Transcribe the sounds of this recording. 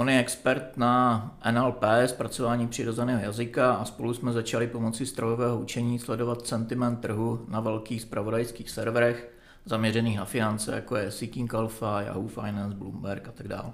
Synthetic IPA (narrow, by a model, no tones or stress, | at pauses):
ʔo̞njɛɛkspɛɾt̪̚naʔɛnɛlpɛːspɾat͡so̞vaːɲiːpr̝̥ɪɾo̞zɛnɛːɦo̞jazɪkaʔaspo̞lusmɛzat͡ʃalɪpo̞mo̞t͡sɪst̪ɾojovɛːɦo̞ut͡ʃɛɲiːslɛdo̞vat̪sɛnt̪ɪmɛnt̪ːr̩ɦunavɛlkiːxspɾavo̞dajskiːxsɛɾvɾɛx | zamɲɛrɛniːxnafɪnant͡sɛ̰ja̰ko̞jɛsɪkɪŋkalfaja̰ɦufa̰jnanzblṵmbɛɾkat̪aɡda̰ːl